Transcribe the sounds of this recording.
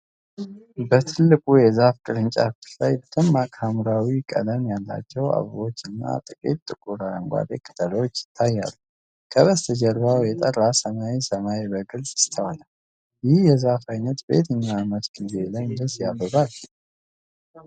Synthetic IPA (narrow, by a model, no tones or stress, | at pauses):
bət̪ʰɨlːɨkʼujɛzafkʼɨɾɨnt͡ʃʼa̰fɨt̪lajbət̪ʰɨmːakʼhamɾawikʼə̰d̪əmjalːa̰t͡ʃːɛwa̰βwo̞t͡ʃːɨnːa̰t̪ʼɨkʼit̪ʼt̪ːʼɨkʼuɾaəŋɡʷa̰d̪ekʼɨt̪ʼəlo̞t͡ʃːjɪ̥t̪ʰːajːa̰lːu | kʰəβəst̪ʰəd͡ʒɛɾβawjɛt̪ʼərːasəmaisəmaibəɡɨlzɪst̪ʰawala | jɪhjɛzafajnət̪be̞̰t̪ʰɨɲːamət̪ɡ̥ize̞ləwnd̪əsjabːəβal